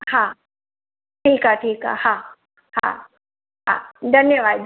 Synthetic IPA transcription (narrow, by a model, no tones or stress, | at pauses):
haː | ʈʰiːkɦaʈʰiːkɦa̰haː | ha̰ː | ɦa̰ːd̪ʱɐnjəʋaːd̪